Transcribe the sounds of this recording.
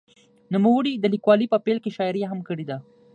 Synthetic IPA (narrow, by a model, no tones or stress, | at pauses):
numawəɽid̪əlikwɑlipəpelkeʃɑɪɾjaɦamkəɽed̪a